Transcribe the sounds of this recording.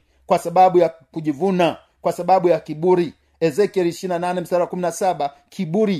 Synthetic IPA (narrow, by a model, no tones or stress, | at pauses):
kwasaɓaɓuja | kuʄivuna | kwasaɓaɓujakiɓuɾi | ɛzɛkiɛliʃiɾinananɛmisaɾakuminasaɓa | kʰiɓuɾi